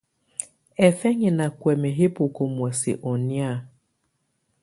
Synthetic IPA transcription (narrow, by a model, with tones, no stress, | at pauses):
e˨fe˦ɲɪ˨na˨kʷe˨me˨ɦe˦pʊ˨ko˨mʷ˨ɔ˨sɪ̰˨ʔɔ˨nja˦˨